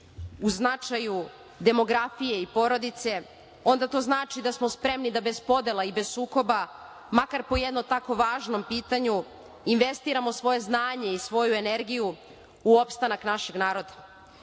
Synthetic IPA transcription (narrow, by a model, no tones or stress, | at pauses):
uznat͡ʃaju | d̪e̞mo̞ɡɾafije̞ipo̞ɾo̞d̪it̪se̞ | o̞nd̪at̪o̞ːznaːt͡ʃid̪asmo̞spɾe̞mnid̪abe̞zpo̞d̪e̞laibe̞z̥suːko̞ba | makaɾpo̞jed̪not̪ako̞ʋaːʒno̞mpiːt̪aɲu | inʋe̞st̪iɾamosʋo̞je̞znaːɲe̞isʋo̞jue̞ne̞ɾɡiju | uopst̪anaknaʃe̞ɡnaːɾo̞d̪ḁ